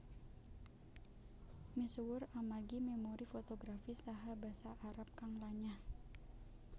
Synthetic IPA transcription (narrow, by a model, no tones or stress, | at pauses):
miswʊramaɡimɛmoɾifot̪oɡɾafisaɦabasaʔːɾap̚kaŋlaɲa